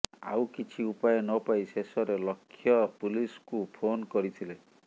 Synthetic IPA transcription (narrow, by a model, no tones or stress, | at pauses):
a̰wkit͡ʃʰiupajɔnɔpajsesɔɾelɔkʰːjɔpuliskupʰonkɔɾit̪ʰile